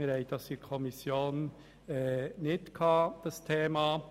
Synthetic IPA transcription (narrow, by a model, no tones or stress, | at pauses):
əɾæɪtdɑsikʰɔmɪsjoːn | nɪt̪kʰɑd̪̥ɑst̪ʰeːmɑ